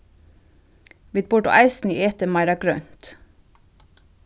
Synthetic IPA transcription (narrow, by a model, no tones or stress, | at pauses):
ʋɪd̪̚bʊɖʊ̰ʔæɪsn̩iʔeːt̪əmɑɪɾɑɡɾœnt̪